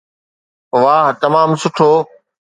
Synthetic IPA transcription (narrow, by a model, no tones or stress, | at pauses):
ʋaːɦt̪ɐmaːmsʊʈʰoː